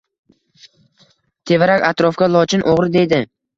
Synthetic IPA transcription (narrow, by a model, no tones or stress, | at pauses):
t̪ʰe̞vaɾakʲat̪ɾɒfkʲalˠɒt͡ʃʰɪnʔoʁɾɪd̪e̞d̪ɪ